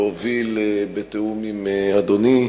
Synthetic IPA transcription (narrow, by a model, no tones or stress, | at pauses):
ovilbet̪eumimead̪oni